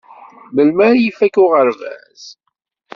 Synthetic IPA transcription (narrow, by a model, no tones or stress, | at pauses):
məlmæɾjifækʊʁəɾvæ̰z̥